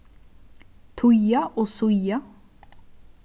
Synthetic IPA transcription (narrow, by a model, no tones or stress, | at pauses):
t̪ʰʊjaʔoːsʊja